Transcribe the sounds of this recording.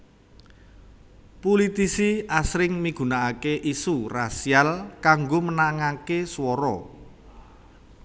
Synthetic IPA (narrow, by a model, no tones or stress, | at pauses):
pulit̪isiasɾɪŋmiɡ̥ṳnaakeʔisurasialkaŋɡomənaŋakeswɔɾɔ̰